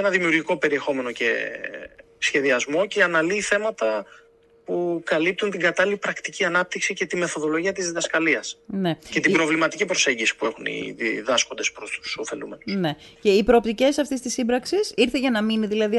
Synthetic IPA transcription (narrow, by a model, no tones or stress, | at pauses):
enɐðimiuɾʝiko̞pe̞ɾie̞xo̞me̞no̞ce̞̰ | sçe̞ðiɐzmo̞ceɐnɐliːθe̞mɐt̪ɐ | pukɐlip̚t̪unt̪iŋɡɐt̪ɐlilipɾɐkt̪iciɐnɐp̚t̪iksice̞t̪ime̞θo̞ðo̞lo̞ʝiɐt̪iziðɐskɐliɐsne̞ce̞t̪imbɾo̞vlimɐt̪icipɾo̞se̞ɲɟisi̥pue̞xunḭðiðɐsko̞nd̪e̞spɾost̪u̥so̞fe̞̰lṵme̞nusne̞ceipɾoːpt̪ice̞sɐft̪ist̪isimbɾɐksisiɾθeʝɐnɐminiðilɐði